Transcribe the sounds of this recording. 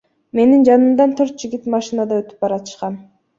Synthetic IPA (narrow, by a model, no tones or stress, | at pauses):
me̞nind͡ʒɑnɯmd̪ɑnt̪ʰøɾt̪̚d͡ʒiɡʲit̪mɑʃinad̪ɑøt̪y̥p̚bɑɾɑt̪ɯ̥ʃqɑn